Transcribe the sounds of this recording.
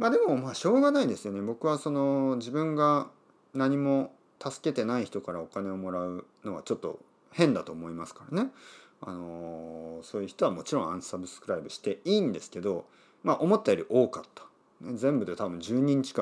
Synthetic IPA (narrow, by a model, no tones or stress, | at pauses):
maːd̪e̞mo̞maːɕo̞ːɡanaid̪e̞sɨjo̞nebo̞kɯ̟βaso̞no̞ʑibɯ̟̃ŋɡa | naɲ̟imo̞ | t̪ʰasɨ̥ke̞t̪e̞naiçi̥t̪o̞kaɾao̞kane̞o̞mo̞ɾaɯ̟no̞ɡat͡ɕo̞t̪ːo̞̰ | hẽ̞nd̪at̪o̞ːmo̞imasɨ̥kaɾane̞a̰no̞ | so̞ːjɯ̟çi̥t̪o̞amo̞t͡ɕiɾõ̞ã̰ɰ̃sabɯ̟sɨ̥kɯ̟ɾaibɯ̟ɕi̥t̪e̞iːnd̪e̞sɨ̥ke̞d̪o̞ | maʔo̞mo̞t̪ːajoɾʲiʔo̞ːkat̪ːḁ | nezẽ̞mbɯ̟d̪et̪abɯ̟̃ɲ̟d͡ʑɨːɲ̟ĩɲ̟t͡ɕi̥kã